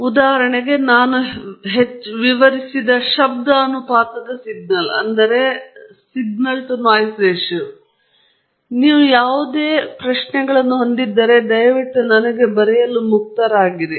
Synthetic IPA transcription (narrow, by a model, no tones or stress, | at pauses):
ud̪aːɦɐɾɐɳɛɡe̞naːnuɦet͡ʃːʋiʋɐɾisid̪ɐʃɐb̚d̪ɐɐnːupaːt̪ɐd̪ɐsiɡnɐlɐ̰nd̪ɐɾe̞siɡ̚nɐlʈunaːjsɾeːʂu | niːʋujaːʋud̪eːpɾɐʃnɛɡɐɭɐnːuɦo̞nd̪id̪ːɐɾe̞d̪ɐjʋiʈːunɐnɐɡe̞bɐɾɛjɐlumuk̚t̪ɐɾaːɡiɾi